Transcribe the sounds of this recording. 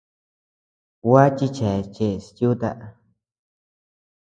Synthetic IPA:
wa˦t͡ʃi˦t͡ʃɛ˨t͡ʃe˦˧˨stu˦t̪a˦˧ʔ

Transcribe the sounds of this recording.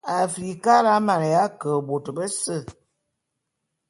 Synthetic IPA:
a˨fɾi˨ka˦ɾa˦ma˨nə˨ja˦kə˨bo˨tə˨bə˦sə˦˨

